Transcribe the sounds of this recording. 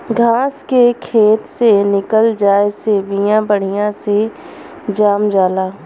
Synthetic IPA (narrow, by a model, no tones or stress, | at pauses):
ɡʱaːskekʰeːt̪senɪkəld͡ʒaːesebijãbəɽ̤ijãse | d͡ʒaːmd͡ʒaːlaː